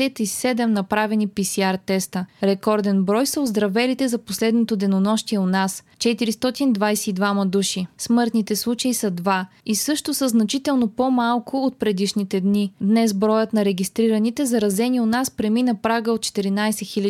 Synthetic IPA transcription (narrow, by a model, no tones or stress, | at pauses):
ɛt̪isɛd̪ɛmnɐpɾavɛnipisiaɾt̪ɛst̪əɾɛkɔɾd̪ɛnbɾɔjsəozd̪ɾɐvɛlit̪ɛzɐposlɛd̪not̪od̪ɛnonɔʃt̪iɛonas | t͡ʃɛt̪iɾist̪ɔt̪ind̪vajsɛid̪vamɐd̪uʃismɤɾt̪nit̪ɛslˠut͡ʃəisəd̪va | isɤʃt̪osəznɐt͡ʃit̪ɛlˠnopomalˠkʰoot̪̚pɾɛd̪iʃnit̪ɛd̪nid̪nɛsbɾɔjət̪nɐɾɛɡʲist̪ɾiɾənit̪ɛzɐɾɐzɛnionaspɾɛminəpɾaɡəot̪̚t͡ʃɛ̥t̪iɾinajsɛxilʲə